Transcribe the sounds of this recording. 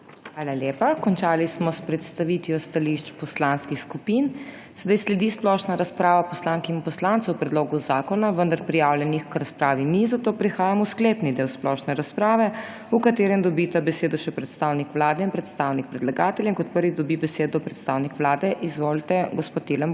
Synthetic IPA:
xʋaːlaljepakɔnt͡ʃaːlismɔspɾɛt̪st̪aʋit̪jɔst̪aliʃt͡ʃpɔslanskixskupin | sɛd̪ajslɛd̪isplɔʃnaɾaspɾaːʋapɔslaŋkiinpɔslant̪sɔwpɾɛd̪loːɡuzaːkɔnaʋənd̪aɾpɾijaːwljɛnixkɾaspɾaːʋinizat̪oːpɾixaːjamuskleːpnid̪eːwsplɔʃnɛɾaspɾaːʋɛ | ukat̪eːɾɛmd̪ɔbit̪abɛseːd̪ɔʃɛpɾɛt̪st̪aːwnikʋlaːd̪ɛinpɾɛt̪st̪awnik̚pɾɛd̪laɡaːt̪ɛljaiŋkɔt̪̚pəɾʋid̪ɔbibɛseːd̪ɔpɾɛt̪st̪aːwnikʋlaːd̪ɛʔizʋolt̪ɛɡɔspoːt̪ːeləm

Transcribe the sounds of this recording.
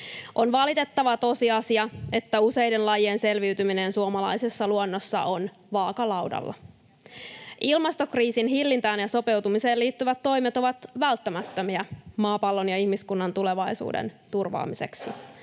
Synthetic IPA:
ʔo̞nʋɑlit̪e̞t̪ːɑʋɑt̪o̞siɑsiɑe̞t̪ːæuse̞jdenlɑjiense̞lʋiyt̪yminensuomɑlɑ̰jse̞sːɑluonːosːɑ̰ʔon | ʋɑːkɑlɑwdɑ̰lːɑ̰ | ʔilmɑst̪o̞kriːsinɦilːint̪æːnjɑso̞pe̞wt̪umise̞ːliːt̪ːyʋæt̪ːo̞jmet̪o̞ʋɑt̪ʋælt̪ːæmæt̪ːømiæmɑːpɑlːonjɑihmiskunːɑnt̪ule̞ʋɑjsṵːdḛnt̪urʋɑ̰ːmise̞̰ksi

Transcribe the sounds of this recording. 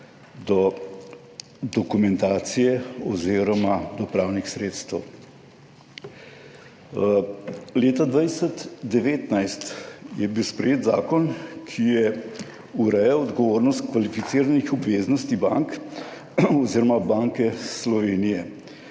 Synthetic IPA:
d̪ɔ | d̪ɔkumɛnt̪aːt̪sijɛɔziːɾɔmad̪ɔpɾaːwnixsɾeːt̪st̪ɛw | leːt̪ad̪ʋajsɛt̪d̪ɛʋeːt̪najst̪jɛbiwspɾɛjeːt̪za̰ːkɔnkʰijɛ | uɾɛjawɔd̪ɡɔʋoːɾnɔst̪̚kʋalifit̪siːɾanixɔbʋeːznɔst̪iba̰ŋk | ɔziːɾɔmabaŋkɛslɔʋeːnijɛ

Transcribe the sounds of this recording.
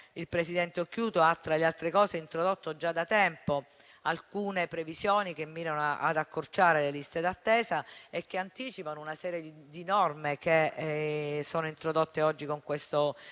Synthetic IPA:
ilpɾesid̪ɛnt̪eokjuːt̪oat̪ːɾalealt̪ɾekɔːzeint̪ɾod̪ot̪ːod͡ʒad̪at̪ɛmpo | alkuːnepɾevisjoːnikemːiːɾanoa̰d̪akːort͡ʃaːɾelelist̪ed̪at̪ːɛːzaek̟ːeant̪iːt͡ʃipanounasɛːɾjed̪id̪inɔrmek̟e | soːnoint̪ɾod̪ot̪ːeɔd͡ʒːikoŋkwest̪o

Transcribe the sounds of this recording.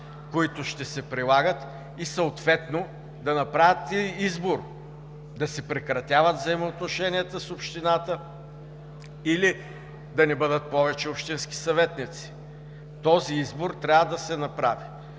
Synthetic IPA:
koit̪ʊʃt̪ɛsɛpɾilˠaɡət̪ | isəot̪vɛt̪no | d̪ɐnɐpɾavʲət̪iizboɾ | d̪ɐsɛpɾɛkɾɐt̪ʲavət̪vzɐɛmoːt̪noʃɛniɛt̪əsopʃt̪inat̪ə | ili | d̪ɐnɛbɤd̪ət̪̚pɔvɛt͡ʃɛopʃt̪inski̥sɐvɛt̪nit̪si̥ | t̪ɔziizboɾt̪ɾʲavəd̪ɐsɛnɐpɾavi

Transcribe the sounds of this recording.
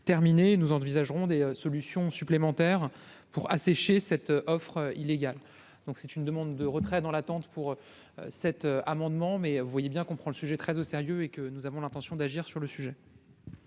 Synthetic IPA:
t̪ɛʁminenuzɑ̃vizaʒʁɔ̃d̪eøsɔlysjɔ̃syplemɑ̃t̪ɛʁ | puʁa̰sɛʃesɛt̪øʔɔfχøileɡʲal | d̪ɔ̃ksɛt̪ynd̪əmɑ̃d̪ːəʁət̪χɛd̪ɑ̃lat̪ɑ̃t̪puʁø | ø̰sɛt̪øamɑ̃d̪mɑ̃mɛvuvwajebjɛ̃kɔ̃pχɑ̃ləsyʒɛt̪χɛzoseʁjøekənuzavɔ̃lɛ̃t̪ɑ̃sjɔ̃d̪aʒiʁsyʁləsyʒɛ

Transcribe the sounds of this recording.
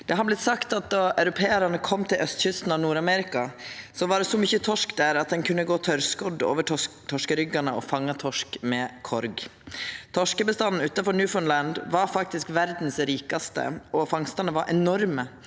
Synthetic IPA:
d̪̥ɛɦɑɾblɪt̪sɑkt̪ɑt̪̚d̪ɑʔœʉɾʊpʰeːæɾɑnəkʰɔmːt̪ʰɪlʔœst̪çʏst̪n̩ɑʋnuːɾɑmɛɾɪkɑsɔʋɑɖɛsɔmʏçət̪ʰɔʂkd̪æɾɑt̪̚d̪ɛnkʰʉnːəɡoːt̪ʰœɾskɔd̪o̰ːʋəʈt̪ʰɔʂkəɾʏɡɑnəɔ̰fɑŋːɑt̪ʰɔʂkmɛkʰɔɾɡ | t̪ʰɔʂkəbəst̪ɑnn̩ʉːt̪ɑfɔnjʉːfɔnlænd̪ʋɑɾfɑk̚t̪ɪskʋæɾd̪n̩sɾiːkɑst̪ə̰ɔfɑŋst̪ɑnəʋɑɾʔɛnɔɾmə

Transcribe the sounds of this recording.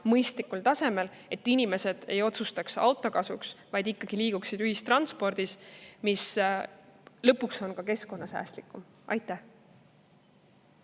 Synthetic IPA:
mɤjst̪likːult̪ɑse̞me̞l | e̞t̪ːinime̞se̞d̪̥e̞jo̞t̪sust̪ɑksɑ̰wt̪ːˑo̞kɑsṵksvɑjd̪̥ikːɑɡ̥iliːɡ̥uksid̪yhist̪rɑnspo̞rd̪̥ismis | lɤpːukso̞nkɑke̞sko̞nːɑsæ̰ːst̪likːˑum | ʔɑ̰jt̪ːˑæh

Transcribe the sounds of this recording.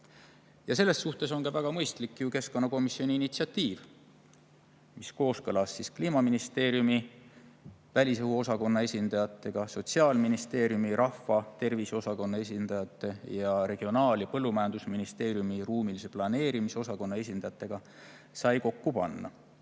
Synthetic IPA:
jɑse̞lːe̞sːuht̪e̞so̞nkɑvæɡ̥ɑmɤjst̪likːjuke̞skonːɑko̞misio̞niːnit̪siɑt̪iːv̥ | misko̞ːskɤlɑsːiskliːmɑminist̪e̞ːɾjumi | vælʲisehuo̞sɑko̞nːɑe̞sʲind̪̥ɑjɑt̪ːˑe̞ɡ̥ɑso̞t̪siɑːlminist̪e̞ːɾjumiɾɑfɑt̪e̞rviso̞sɑko̞nːɑe̞s̬ʲind̪ɑjɑt̪ːˑe̞jɑɾe̞ɡ̥io̞nɑːlipɤlːumæjɑnd̪usminist̪e̞ːɾjumiruːmilise̞plɑne̞ːɾimiseo̞sɑko̞nːɑe̞s̬ʲind̪̥ɑjɑt̪ːˑe̞ɡ̥ɑ | sɑjko̞kːupɑ̰nːɑ̰

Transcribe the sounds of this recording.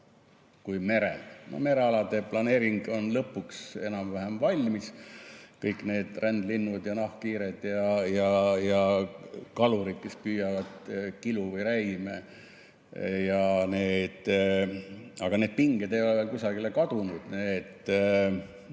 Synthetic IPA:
kujme̞ɾḛlno̰me̞ɾeɑlɑd̪e̞plɑne̞ːɾiŋɡ̥o̞nlɤpːˑukse̞̰nɑmvæɦemvɑlʲmiskɤjkˑne̞ːd̪̥rʔænd̪linːud̪̥jɑnɑhkiːɾed̪̥jɑjɑjɑ | kɑluɾid̪̥̚kespyːjɑvɑd̪̥kiluvɤjɾæjme | jɑneːd̪̥ | ɑɡ̥ɑne̞ːd̪̥̚piŋɡ̥ed̪e̞jo̞levelkusɑɡilekɑd̪̥unud̪̥neːt̪ˑː

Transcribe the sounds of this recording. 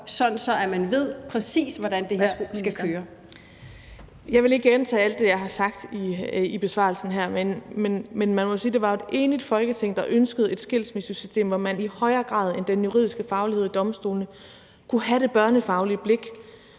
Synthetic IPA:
sɒ̽dn̩sɒ̽æmænʋe̝ð̞̰ˠpʰʁɛsḭːsʋɒd̥ænd̥e̝hsækʰøːɐ | jɑ̈ɪʋe̝le̝ɡ̥əent͡sʰɛ̰ːæl̰d̥ːe̝jɑ̈ɪɦhɑ̈sɑ̈ɡ̥̚d̥iib̥e̝sʋɑ̰̈lsn̩ɦæɐ̰menmenmenmænmɒ̽siːd̥e̝ʋɑ̈e̝d̥e̝ːnid̥fɒ̽lɡ̥ət͡sʰeŋ̰d̥ɑ̈ʔønsɡ̥əð̞̩ˠe̝d̥sɡ̥el̰smisysysd̥e̝̰ːmʋɒmænihɒ̽ɪɐːɡ̥ʁɑ̰̈ːð̞ˠe̝nd̥enjuʁḭðˠisɡ̥əfɑ̈ʊlihe̝ð̞̰ˠd̥ɒ̽msd̥o̝ːlnə | kʰuɦæɾe̝b̥ɶɐnəfɑ̈ʊliəb̥le̝ɡ̥

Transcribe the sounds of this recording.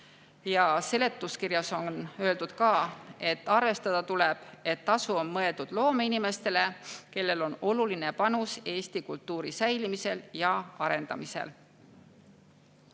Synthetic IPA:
jɑse̞le̞t̪ːˑuskiɾjɑso̞nnø̞e̞ld̪ud̪̥kɑːe̞t̪ːɑrve̞st̪ɑd̪̥ɑt̪uleb̥e̞t̪ːɑsuo̞mmɤe̞ld̪̥ud̪̥lo̞ːmeinime̞st̪e̞le̞ke̞lːe̞lo̞no̞luline̞pɑnuse̞ːst̪ikult̪ːuːɾisæjlimise̞ljɑɑɾe̞nd̪ɑ̰misḛl

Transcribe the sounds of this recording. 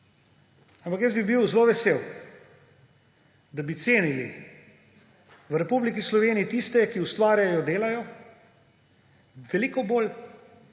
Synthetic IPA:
ampakjəszbibiwzloːʋɛseːw | d̪abit̪seːnilḭ | ʋɾɛpublikislɔʋeːniːt̪ist̪ɛkiust̪ʋaːɾjajɔd̪eːlajɔ | ʋɛliːkɔboːl

